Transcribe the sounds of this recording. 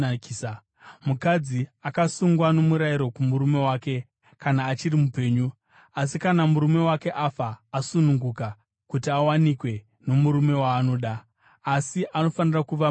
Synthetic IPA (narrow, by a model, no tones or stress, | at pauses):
mukad͡ziakasuŋɡwano̞muɾajiɾo̞kumuɾume̞waːke̞ | kanaːt͡ʃirimupe̞ːɲu | as̬ikanamuɾume̞wake̞ʔafaːasunuŋɡuka | kutiawanikwe̞ | no̞muɾume̞waːno̞ɗaː | siʔano̞fanirakuʋa